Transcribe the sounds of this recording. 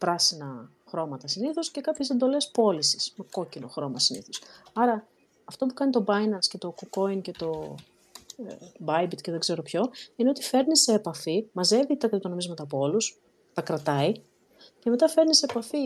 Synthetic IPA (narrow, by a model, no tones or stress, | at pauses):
pɾɐsinɐ | xɾo̞mɐt̪ɐsiniθosce̞kɐpçese̞nd̪o̞le̞spo̞lisi̥smeko̞cino̞̰xɾo̞mɐsinḭθo̞sɐɾɐː | ft̪o̞pukɐnit̪o̞bɐjnɐnsce̞t̪o̞koko̞ince̞t̪o̞ | bɐjbit̪ce̞ðeɡze̞ɾo̞pço̞ine̞o̞t̪ife̞ɾnise̞ːpɐfimɐze̞vit̪ɐkɐlt̪ono̞mizmɐt̪ɐːpoo̞lus | t̪ɐkɾɐt̪ɐi | ce̞me̞t̪ɐfe̞ɾniseːpɐfi